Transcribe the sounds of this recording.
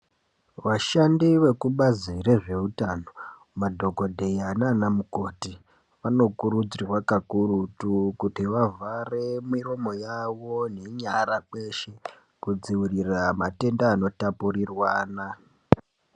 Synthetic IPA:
ʋaʃandiʋe̞kuɓazire̞ʐe̞utano̞ | madʱo̞ko̞dʱe̞jananamuko̞ːti | ʋano̞kuɾud͡zirwakakuɾutukutiʋavʱare̞miro̞mo̞jaʋone̞ɲaɾake̞ʃe | kud͡ziwiriramate̞ndaːno̞tapurirwaːna

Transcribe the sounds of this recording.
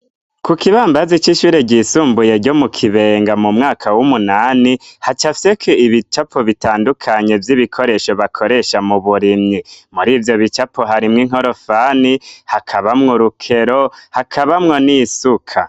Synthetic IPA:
kukiβaːmbazit͡ʃiʃuːɾeɟiːsuːmbuje̞ɾɟo̞mukʰiβe̞ŋɡamumŋaːkʰawumunaːnihat͡ʃafi̥sekʰeiβit͡ʃapoβitaːndukʰaɲe̞vjiβikʰo̞ɾe̞ʃo̞βakʰo̞ɾe̞ʃamuβuɾinimuɾiːvjo̞βit͡ʃapoɦaɾimŋiŋ̥oɾo̞fanihakʰaβamŋuɾukʰe̞ɾohakʰaβamŋo̞nisukʰa

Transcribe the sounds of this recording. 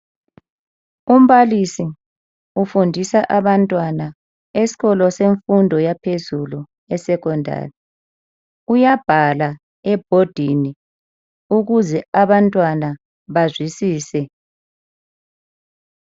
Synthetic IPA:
um̩βalisi | ufundʱisaʔaβantʼwana | esi̥ɣɔlɔseɱfundʱɔjapʰezulu | ɛsɛkɔndʱa̰ːri | ujab̥ʱala | ɛb̥ʱod̥ʱini | uɣuzɛaβantʼwana | βazwisiːsɛ

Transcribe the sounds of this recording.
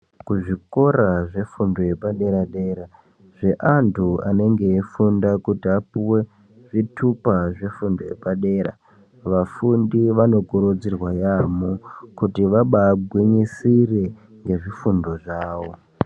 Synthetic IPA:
kuʐiko̞ɾaʐe̞fundoje̞paɗe̞ɾaɗe̞ːɾa | ʐ̥e̞ʔantʰua̰ne̞ŋɡe̞ːfundakutiapuwe̞ | ʐitʰupaʐefundojepaɗe̞ːɾa̰ | ʋafundiʋano̞kuɾod͡zirwajamokutiʋaɓaːɡʱwiɲisire̞ | ŋɡe̞ʐifundo̞ʐaːwo̞

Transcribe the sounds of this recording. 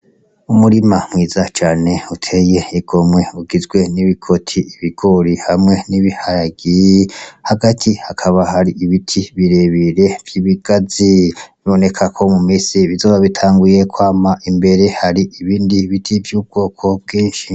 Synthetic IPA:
umuɾimamŋiːzat͡ʃaːne̞utʰe̞je̞iɡ̥o̞mŋe̞uɡizɡwe̞niβikʰo̞tʰiiβiɡ̥o̞ɾihamŋe̞niβihajaɡijehaɡatʰihakʰaβahaɾiʔiβitʰiβiɾe̞βiɾe̞v̥jiβiɡ̥aziβiβo̞ne̞kʰakʰo̞mumiːsiβizoːβaβitʰaːŋɡuje̞kwaːmaʔimbe̞ɾe̞haɾiʔiβiːndiβitʰivjuːb̚ɡ̥o̞ːkʰo̞b̚ɡiːnʃi

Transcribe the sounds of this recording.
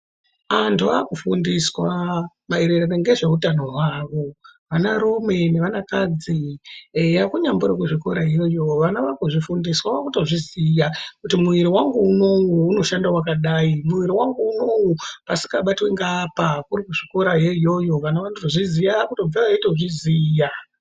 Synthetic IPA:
antʰuakufundiswa | maeɾeɾaneŋɡe̞ʐe̞utano̞ɦwaːʋo̞ʋanaɾume̞neʋanakad͡zi | jakuɲambuɾakuʐikoɾaɦjojo̞ʋanaʋakuʐifundiswaakuto̞ʐizijakutimuʋiɾiwaŋɡuuno̞ŋɡuːno̞ʃandawakaɗaimuʋiɾiwaŋɡuːno̞ŋɡupasi̥kaɓatweŋɡapakurikuʐiko̞ɾajejo̞jo̞ʋanaʋantotoʐizijaakuto̞b͡vaʋaitoʐiziːja

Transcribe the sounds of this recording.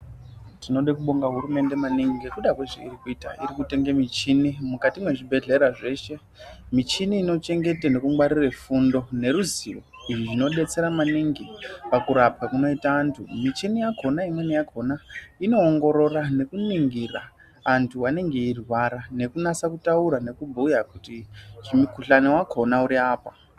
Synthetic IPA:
tino̞ɗekuɓo̞ŋɡaɦuɾume̞nde̞maniŋɡikuɗakweʐḛḭrikuita̰iɾikute̞ŋɡemit͡ʃinimukatimwe̞ʐibʱe̞ɮe̞ɾaʐe̞ʃe̞ | mit͡ʃiniːno̞t͡ʃe̞ŋɡe̞tene̞kuŋɡwaɾirefundo̞ne̞ɾuziro̞ | iʐiʐino̞ɗe̞t͡se̞ɾamaniŋɡipakuɾap̚kakuno̞itaːntʰṵmit͡ʃinijakʰo̞naimwanijakʰo̞naino̞ːŋɡo̞ɾo̞rane̞kuniŋɡira̰ː | ntʰuwane̞ŋɡe̞irwaɾane̞kunat͡sakutauɾane̞kubʱujakutiʐimukuɬanewakʰo̞nauɾiaːpa

